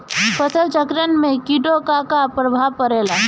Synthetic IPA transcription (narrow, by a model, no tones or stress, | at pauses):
fəsəlt͡ʃəkɾənmẽkiʈokakapɾəbʱaʋkəɾela